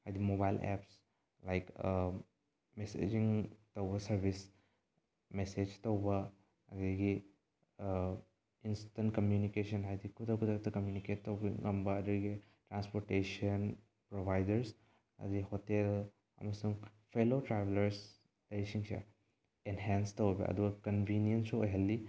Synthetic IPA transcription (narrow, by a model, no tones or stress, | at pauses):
hajd̪imobajlɛ̰ps | lajk | mesḛd͡ʒiŋt̪ɐwbɐsɐɾbʱis | mesed͡ʒt̪ɐwbɐ | ɐdiɡi | instɐnkɐmjunikesɐnɦajd̪ikʰud̪akʰud̪at̪ɐkɐmjuniket̚tɐwbiɐmbɐːd̪iɡi | tɾanspoɾtesɐn | pɾobʱajdɐɾs | ɐ̰dihotːe | ɐ̰mɐsuŋpʰelotɾabelɐɾs | lɐjsiŋsʰḛ | enɦenstɐwbḭʔɐ̰d̪uɡɐkɐnbʱiniensuojɦɐlːi